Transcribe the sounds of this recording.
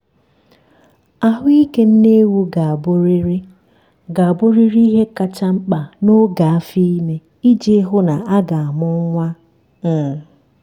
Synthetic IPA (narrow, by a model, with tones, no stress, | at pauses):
a˦ɦʊ˦i˦ke˦n̩˦ne˦wu˦ɡa˨a˨bʊ˦ɾi˦ɾɪ˦ | ɡa˨a˨bʊ˦ɾi˦ɾi˦ɦe˦ka˨t͡ʃa˦ŋ͡m̩˦k͡pa˨no˦ɡa˨a˦fi˦me˦ | i˦d͡ʒe˦ɦʊ˦na˨a˦ɡa˨a˨mʊ˦ŋʷa˦ | n̩˦˨